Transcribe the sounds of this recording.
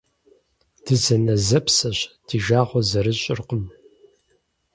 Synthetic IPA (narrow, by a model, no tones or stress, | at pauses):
d̥ɨzɐnɐzɐpʰsɐɕd̥iʒaːʁʷɔzɐɾɨɕʼɪ̰rqəm